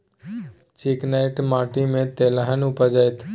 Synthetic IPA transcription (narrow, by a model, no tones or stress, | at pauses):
t͡ʃiknaɪʈmaːʈimẽt̪eləɦənʊpəd͡ʒajt̪ʰ